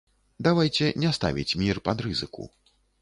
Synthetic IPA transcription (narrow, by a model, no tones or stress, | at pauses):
d̪avajt͡sʲɛnʲɛst̪a̰vʲḭt͡sʲmʲirpad̪ɾɨzɨkṵ